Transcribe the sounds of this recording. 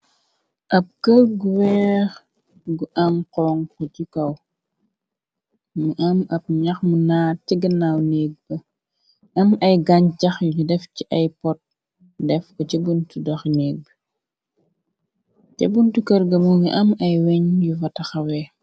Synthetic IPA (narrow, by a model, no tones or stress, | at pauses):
ʔɐp̚kɐlɡuwɛːɾ | ɡuʔɐŋqɔŋkɔt͡ʃikɐw | miʔɐmɐp̚ɲɐxmunaːtiɡɐnawneːɡ̚bɐ | ɐmɐjɡɐɲt͡ʃɐxjuudɛfciʔajpɔt̚ | dɛfkɔt͡ʃɛbuntudɐxneːɡ̚bɐ | cɛbuntukɐɾɡɐmumiʔɐmɐjwɛɲjuvɐtɐxɐwɛ